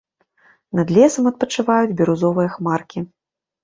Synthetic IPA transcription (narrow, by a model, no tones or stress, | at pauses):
nɐd̪lʲɛsɐmɐt̪̚pɐt͡ʂɨvajud͡zʲbʲiɾuzɔvɨjɐxmarkʲi